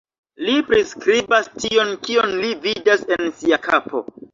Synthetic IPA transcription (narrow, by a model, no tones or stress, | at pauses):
lipɾiskɾibastio̞nkio̞nlividase̞nsiakapo̞̰